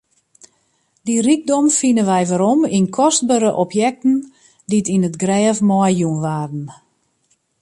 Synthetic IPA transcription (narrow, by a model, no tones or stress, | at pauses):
dirik̚dɔmfinəʋɛjʋaɾɔminkʰɔst̚bəɾəʔɔpʰjɛk̚tən̩ | ditinətɡrɛːfmɔjjunʋaːrdn̩